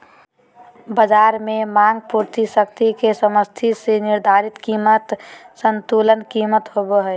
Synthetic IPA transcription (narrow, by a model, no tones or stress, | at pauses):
bəd͡ʒaːɾmẽmãŋɡ̚puɾt̪isək̚t̪ikesəməst̪ʰisenɪɾd̪ʱaːɾɪt̪kiːmət̪sənt̪ulənkiːmət̪ɦoboɦɛ